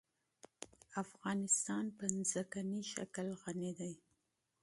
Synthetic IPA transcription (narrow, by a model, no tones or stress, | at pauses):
afɣɑnɪst̪ɑnpənzakaniʃa̰klɣanid̪aj